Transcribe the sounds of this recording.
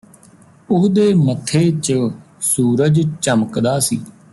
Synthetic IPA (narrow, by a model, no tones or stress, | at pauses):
ʊɦd̪eːmət̪ʰːeːt͡ʃə | suːɾəd͡ʒt͡ʃəməkd̪aːsiː